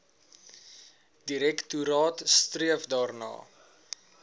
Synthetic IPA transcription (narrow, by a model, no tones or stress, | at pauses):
diɾɛktuɾɑːtstriəfdɑːrnɑ̰ː